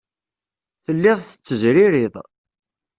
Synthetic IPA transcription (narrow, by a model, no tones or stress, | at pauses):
θəlːɪðˤθə̥t͡sːəzɾɪɾɪðˤ